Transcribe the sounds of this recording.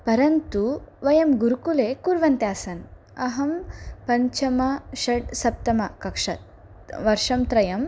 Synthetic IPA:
pɐɾɐnt̪uʋɐjɐmɡuɾukulekuːɾʋɐnt̪jaːsɐn | ɐɦɐmpɐɲt͡ʃɐmɐʃɐɽsɐp̚t̪ɐmɐkɐkʂɐt̪̚ | ʋɐɾʂɐmt̪ɾɐjɐm

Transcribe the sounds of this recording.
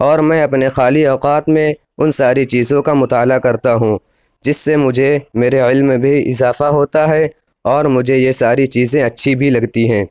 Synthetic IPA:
ɔːɾmɛ̃ːɐpnexaːliɔːqaːt̪mẽ | ʊnsaːɾit͡ʃiːzõkamʊt̪aːlakɐɾt̪aɦũː | d͡ʒɪsːemʊd͡ʒʱemeːɾeɪlmbʱiɪzaːfaɦoːt̪aɦɛ | ɔːɾmʊd͡ʒʱejesaːɾit͡ʃiːzẽɐtːʃʰibʱilɐɡt̪iɦɛ̃ː

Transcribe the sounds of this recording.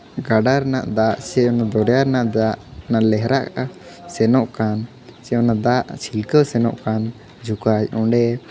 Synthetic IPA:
ɡaɖaɾnaʔd̪aʔsɛɔnad̪ɔɾɛjaɾnaʔd̪aʔnaʔlɛɦɾaʔkaʔa | sɛnɔʔkan | sɛɔnad̪aʔt͡ʃʰilkəsɛnɔ̰ʔkan | d͡ʒukajɔɳɖɛ

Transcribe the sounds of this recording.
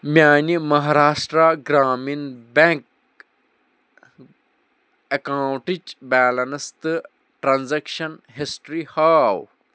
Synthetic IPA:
mʲjaːnimɐɦaːɾaːʂʈɾaɡɾaːminbẽŋk | ɐkaːwʈid͡ʒbɛːlɐnɐst̪ɨ | ʈɾanzekʃɐnɦisʈɾihaːw

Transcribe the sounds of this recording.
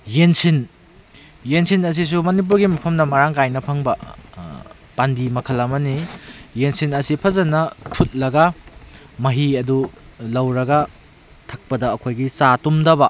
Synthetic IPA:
jensin | jensinɐs̬is̬umɐnip̬uɾɡimɐpʰɐmnɐmɐɾaŋkajnɐpʰɐŋbɐ | pandimɐkʰɐlɐmɐnijensinɐsipʰɐzɐnɐpʰut̚lɐɡɐ | mɐɦiɐdulɐwɾɐɡɐ | tʰɐk̚pɐdɐːkʰojɡit͡ʃatumdɐbɐ

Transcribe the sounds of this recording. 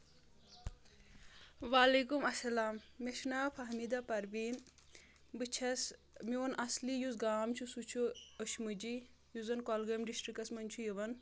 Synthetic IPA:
ʋaːleːkumɐsɐlaːmːeʃnaːpʰɐɦmid̪apɐɾʋiːn | bɨt͡ʃʰɐs | miʋɐnʔɐslijuzɡaːmt͡ʃʰusut͡ʃʰuɐʃmɨd͡ʒi | juzɐnkɔlɡɐmɖisʈɾikɐsmɐnt͡ʃʰujiʋɐn

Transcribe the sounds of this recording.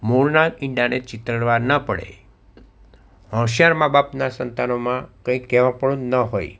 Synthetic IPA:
moɭnaɾɪ̃ɳɖanet͡ʃɪt̪ɾəɽʋaɾnəpəɽḛ | ɦə̃ʃjaɾmãbapnasənt̪anomãkə̃ĩkːɛʋãpəɽũnəɦoj

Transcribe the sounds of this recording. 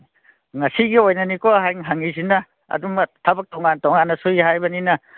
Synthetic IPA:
ŋɐsiɡiojnɐnikoɦajŋɦaŋizinɐ | ɐ̰dumtʰɐbɐk̚toŋantɔŋanːɐsujɦajbɐninɐ

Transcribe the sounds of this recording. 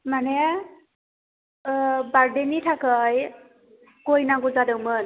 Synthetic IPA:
manɛ | baɹdenitʰakəj | kojnaɡɔzadɯwmɯn

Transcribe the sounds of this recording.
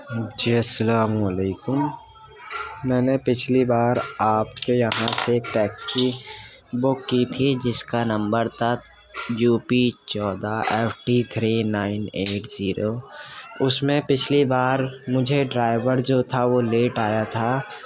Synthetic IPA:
d͡ʒiːɐsːəlaːməleːkʊm | ɛ̃ːnepɪt͡ʃʰlibaːɾaːpkejɐɦãseʈɛːksi | bʊkːit̪ʰid͡ʒɪskanɐ̃mbəɾt̪a | juːpit͡ʃɔːd̪aʔeːpʰʈit̪ʰɾinaːɪneːʈziːɾo | ʊsmẽpɪt͡ʃʰlibaːɾmʊd͡ʒʱeɖɾaːɪʋəɾd͡ʒoːt̪ʰaʋoleːʈaːjat̪ʰa

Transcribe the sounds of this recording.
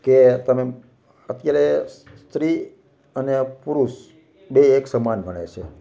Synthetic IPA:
ket̪əme | ət̪jaɾes | st̪ɾi | ənepuɾuʃ | beːksəmanbʱəɽ̃ḛt͡ʃʰe

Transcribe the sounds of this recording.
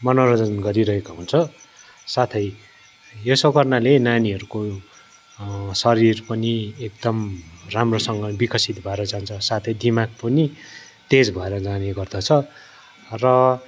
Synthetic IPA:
mʌnoɾʌd͡zʌnɡʌɾiɾʌɦekaɦunt͡sʰʌ | sat̪ʰʌj | josʌkʌrnalenaniɦʌɾuko | sʌɾirpʌniek̚d̪ʌmramrosʌŋɡʌbikʌsit̪bʱʌeɾʌd͡zaɦunt͡sʰʌsat̪ʰʌjd̪ʱimak̚pʌni | t̪ed͡zbʱʌeɾʌd͡zaneɡʌrd̪ʌt͡sʰʌ | rʌ

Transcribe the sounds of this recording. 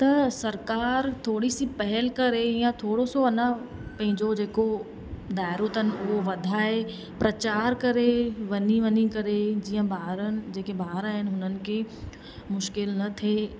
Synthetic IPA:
t̪ɐsɐɾkaːɾt̪ʰoːɽisipɐɦɛlkɐɾejãt̪ʰoːɽosoɐnə̃ | pɐ̃ɦɪ̃ɲd͡ʑod͡ʑeːko | d̪aːɪɾot̪ɦənɪ̆ʊɦoʋɐd̪ʱaːe | pɾɐt͡ɕaːɾkɐɾeʋɐɲiʋɐɲikɐɾed͡ʑiːə̃baːɦɾənɪ̆d͡ʑeːkebʱaːɦɾaːɦɪnɪ̆ɦʊnənɪ̆kʰe | mʊʃkɪlnɐt̪ʰeː

